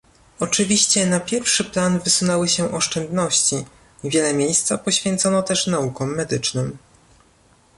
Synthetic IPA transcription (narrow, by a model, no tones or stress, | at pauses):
ɔt͡ʂɘvʲiɕt͡ɕɛnapʲjɛɾfʂɘplanvɘsunɛwɘɕɛʔɔʂt͡ʂɛnd̪nɔɕt͡ɕi | vʲjɛlɛmʲjejst̪sapɔɕfʲjɛnt̪sɔnɔt̪ɛʂnaukɔmːɛd̪ɘt͡ʂnɘm